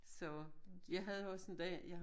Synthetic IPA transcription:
sɒ̽jɑ̈ɪɦæðˠɒsend̥ɛ̰jɑh

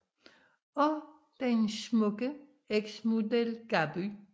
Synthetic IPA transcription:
ɔ | d̥ensmɔɡ̥ə | eɡ̥smod̪elɡ̥aby

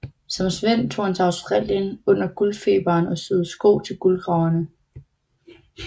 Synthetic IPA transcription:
sɒ̽msʋen̰t͡sʰo̝̰ːhænt͡sʰe̝ɑ̈ʊsd̥ʁɑl̰jənɔ̽n̰ɐɡ̥ulfe̝̰ːb̥ɐːnɒ̽søð̩ˠsɡ̥o̰ːt͡sʰe̝lɡ̥ulɡ̥ʁɑ̈ʊɐnə

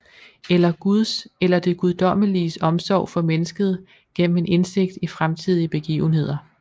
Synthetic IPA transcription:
elɐɡ̥uðˠselɐd̥e̝ɡ̥uð̞ˠd̥ɒ̽m̰əlisɒ̽msɒ̰ʊ̰fɒ̽menəsɡ̥əð̞̩ˠ | ɡ̥en̰m̩e̝ne̝nse̝ɡ̥̚d̥ifʁamt͡sʰið̞̰ˠiəb̥e̝ɡ̥ḭːʊn̩he̝ð̰ˠɐ

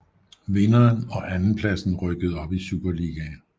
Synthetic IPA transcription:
ʋe̝nɐːnɒ̽ʔænn̩pʰlæsn̩ʁœɡ̥əð̞̩ˠɒ̽b̥isuːb̥ɐliɡ̥æ

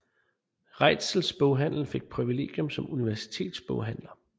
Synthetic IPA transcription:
ʁɑ̈ɪ̰d̥sl̩sb̥ɔʊɦæn̰l̩fe̝ɡ̥̚pʰʁiʋile̝̰ːɡ̥jɔ̽msɒ̽muniʋæɐsi̥t͡sʰe̝̰ːd̥sb̥ɔ̽ʊɦæn̰lɐ

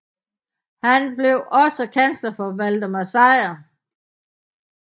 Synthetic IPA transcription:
hænb̥le̝ʊʔɒ̽səkʰænslɐfɒ̽ʋæld̥əmæsɑ̈ɪɐ

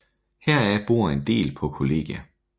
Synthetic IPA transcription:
hɛɐ̰æb̥oɐ̰e̝nd̥e̝̰ːlpʰɒ̽kʰo̝le̝̰ːɡ̥jæ

